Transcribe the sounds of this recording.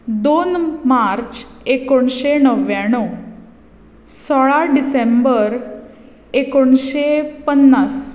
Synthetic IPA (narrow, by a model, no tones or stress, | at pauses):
d̪onmaɾt͡ɕekoɳɕenəʋjãɽ̃o | sɔɭaɖisẽmbəɾ | ekoɳɕepənːas